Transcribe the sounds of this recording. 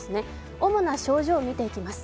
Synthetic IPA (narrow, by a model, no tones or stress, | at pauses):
sɨne̞ | o̞mo̞naɕo̞ːʑo̞ːmʲit̪e̞ikʲimasɨ̥